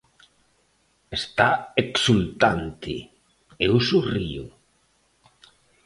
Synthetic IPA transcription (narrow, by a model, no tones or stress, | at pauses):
est̪aeksult̪ant̪ɪ̰ | eusuriʊ̰